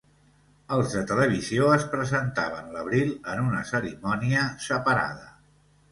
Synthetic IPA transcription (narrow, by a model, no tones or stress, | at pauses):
əlˠzðət̪ələβ̞izioəspɾəzənt̪aβ̞ənləβ̞ɾilˠənunəsəɾimɔniəsəpəɾa̰ð̞ə